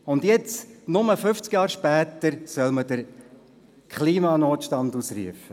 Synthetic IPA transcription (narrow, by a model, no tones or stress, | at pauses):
ʊndjɛt͡snʊməfʏft͡skjɑːɾʃpæːt̪əɾsœlmədəɾ | kʰχliːmɑnoːtʃtɑndusrḭəfə